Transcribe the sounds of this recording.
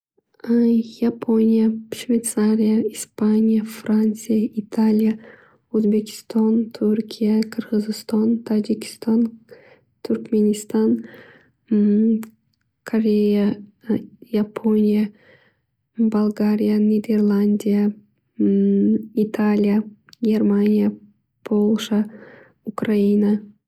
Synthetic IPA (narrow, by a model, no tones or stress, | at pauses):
japʰonʲijaʃvʲejt̪saɾʲijaispanʲijafɾanʲt̪sɨjaʔit̪ʰalʲija | uzbe̞kʲʰɪ̥st̪ɑnt̪ʰuɾkʲʰijakʰɨɾʁɨzɨst̪ɑnt̪ʰad͡ʒɪkʲʰɪ̥st̪ɑn | t̪ʰʊɾkmenʲist̪ɑn | kʰoɾʲeja | japʰo̞nʲija | balˠɡaɾʲijanʲid̪erlˠanʲd̪ʲija | it̪ʰalʲijaɡʲermanʲija | pʰolˠʃa | ʊkraina